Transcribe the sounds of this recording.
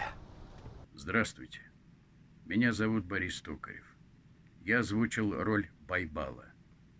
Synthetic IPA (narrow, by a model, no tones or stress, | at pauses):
zd̪ɾast̪vʊjtʲɪ̥ | mʲɪnʲazɐvut̪̚bɐɾʲist̪okə̰ɾʲɪ̰f | jaɐzvut͡ʃɪlˠrolʲbɐjba̰lˠə̰